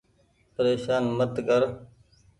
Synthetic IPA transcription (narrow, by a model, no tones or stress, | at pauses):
pəɾeːʃaːnmət̪kəɾ